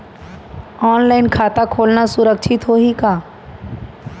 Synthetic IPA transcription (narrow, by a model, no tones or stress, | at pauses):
ɔːnlaːɪnkʰaːt̪akʰoːlnasʊɾəkʃʰɪt̪ɦoɦikaː